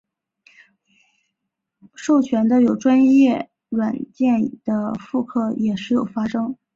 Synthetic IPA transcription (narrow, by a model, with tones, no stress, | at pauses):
ʂo˥˩ʊt͡ɕʰɥɛ˧˥nd̪ə˧jo˨˩ʊʈ͡ʂwa˥njɛ˥˩ | ɻwa˨˩nt͡ɕjɛ˥˩nd̪̥ə˩fu˥˧kʰɤ˥˩jɛ˨˩ʂɻ̩˧˥jo˨˩ʊfa˥ʂɤ˥ŋ